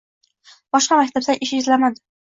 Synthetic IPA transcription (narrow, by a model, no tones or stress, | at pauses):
b̥ɒʃqɑmakʲt̪ʰap̚t̪aʔɪʃɪzlamad̪ɪ